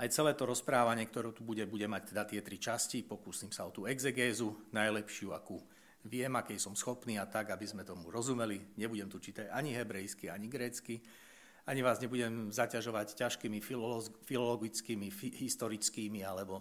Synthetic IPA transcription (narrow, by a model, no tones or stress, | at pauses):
ʔajt͡sɛlɛːt̪ɔɾɔspɾaːʋaɲɪɛkt̪ɔɾɛːt̪ubuɟɛbuɟɛmac̚t̪ɛd̪at̪ɪɛt̪ɾit͡ʃascipɔkuːsiːmsaɔt̪uːɛɡzɛɡɛːzunajlɛpʃɪua̰ku | ʋɪɛmakɛjsɔmsxɔpniːat̪aɡabizmɛt̪ɔmuɾɔzumɛliɲɛbuɟɛmt̪ut͡ʃit̪ɛaɲiɦɛbɾɛjskiaɲiɡɾɛːt͡ski | aɲiʋaːzɲɛbuɟɛmzacaʒɔʋaccaʃkimifilɔlɔɡit͡skimiɦist̪ɔɾit͡skiːmialɛbɔ